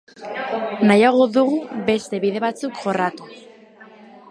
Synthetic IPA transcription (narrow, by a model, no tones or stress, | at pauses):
najaɣ̞o̞ðuɣube̞st̪e̞βiðe̞βat͡sukʝo̞rat̪u